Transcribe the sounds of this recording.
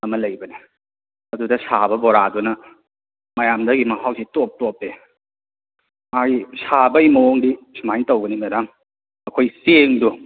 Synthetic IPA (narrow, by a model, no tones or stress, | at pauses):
ɐmɐlɐjbɐni | ɐdudɐsabɐboɾadunɐ | mɐjamdɐɡimɐkʰawsitop̚topːe | majisabɐjmɐoŋdisʰumajtɐwɡɐnimɐdaŋ | ɐkʰojseŋdu